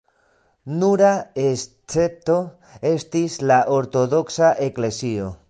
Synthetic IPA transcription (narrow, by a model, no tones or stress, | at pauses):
nuɾaes | t͡se̞p̚t̪o̞ | e̞st̪islaʔoɾt̪o̞ðo̞ksaʔe̞kle̞sio